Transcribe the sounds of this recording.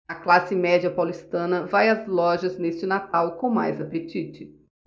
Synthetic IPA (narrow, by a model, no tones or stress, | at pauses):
ɐklasɪmɛd͡ʒiɐpawlist̪ɐ̃nɐvajɐzlɔʒɐznest͡ʃɪnat̪awkõw̃ma̰jzapet͡ʃit͡ʃɪ